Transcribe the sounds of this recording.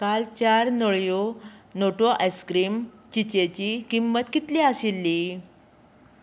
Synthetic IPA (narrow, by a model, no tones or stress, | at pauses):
kalt͡ɕaɾnoɭjonoʈoʔajskɾiːmt͡ɕit͡ɕet͡ɕikimːət̪kit̪liasilːi